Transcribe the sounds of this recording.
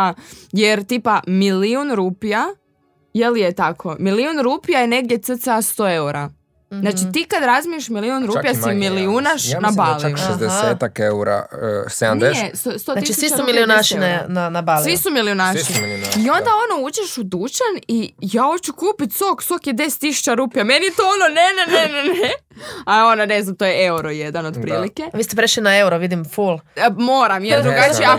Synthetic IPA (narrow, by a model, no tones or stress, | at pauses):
ajeɾt̪iːpamiliunɾuːpija | jelijet̪akʰo̞miliunɾuːpijajene̞ɡ̚d̪jet̪sɨt̪sast̪o̞e̞uɾa | znaːt͡ʃit̪ikad̪ɾazmieʃmiliunɾuːpijasimiliunaʃnabalˠiuʃezd̪eseːt̪akeuɾa̰sed̪and̪eest̪ost̪otaisit͡ʃumiliunaʃinnanabasliʋisumilionaʃiio̞nd̪ao̞nouːt͡ʃeʃud̪ut͡ʃanijaːot͡ʃukuːpit̪ʲsoksokjed̪e̞se̥t̪ːisu̥t͡ɕaɾuːpjame̞nit̪oononeneneneneaond̪aneznamt̪oːjeeuɾojed̪anod̪pɾiːlikeʋiːst̪epɾeʃlinaeuɾoʋid̪imfulˠmoːɾamjeld̪ɾuɡat͡ʃia